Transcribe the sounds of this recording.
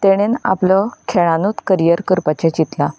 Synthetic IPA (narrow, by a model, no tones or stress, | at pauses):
t̪eɽ̃ena̰pləkʰeɭanut̪kəɾijəɾkəɾpat͡ɕet͡ɕit̪la